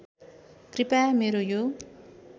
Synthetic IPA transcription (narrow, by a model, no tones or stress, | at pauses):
kripameɾojo